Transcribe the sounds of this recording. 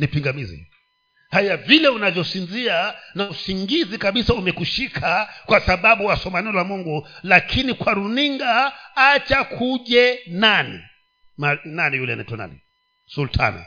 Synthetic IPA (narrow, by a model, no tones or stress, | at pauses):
nipiŋɡamizḭ | hajavilɛunavjɔsinzianausiŋɡizikaɓisaumɛkuʃikʰakwasaɓaɓuwasɔmaniɔlamuŋɡulakʰinikwaɾuniŋɡaat͡ʃakʰuʄɛnanḭ | mananijulɛa̰naɛ̰tɔna̰nḭ | sultʰa̰na̰